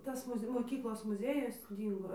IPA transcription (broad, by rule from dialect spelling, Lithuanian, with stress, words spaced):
ˈtɐs ˈmʊsʲ moːˈkʲiːklˠoːs mʊˈzʲeːjʊs ˈdʲiːŋɡoː